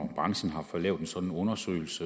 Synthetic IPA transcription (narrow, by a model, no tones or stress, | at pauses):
b̥ʁɑ̈ŋsn̩ɦɑ̈fɒ̽lɛ̰ʊd̥ensɒ̽d̥n̩ɔ̽nɐsø̰ːɪl̩sə